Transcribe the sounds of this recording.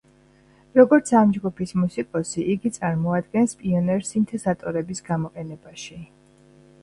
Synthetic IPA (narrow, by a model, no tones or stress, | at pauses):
ɾɔɡɔɾt̪sʰamd͡ʒɡupʰismusikʼɔsiʔiɡit̪sʼaɾmɔad̪ɡɛnspʼiɔnɛɾsint̪ʰɛzat̪ʼɔɾɛbisɡamɔqʼɛnɛbaʃi